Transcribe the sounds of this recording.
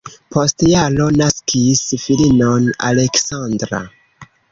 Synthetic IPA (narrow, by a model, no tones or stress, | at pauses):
pʰostjalo̞naskʰisfilinona̰leksandɾa̰